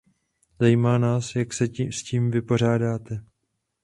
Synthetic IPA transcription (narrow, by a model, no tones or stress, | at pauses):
zajimaːnaːsjaksɛsciːmvɪpo̞r̝aːdaːt̪ɛ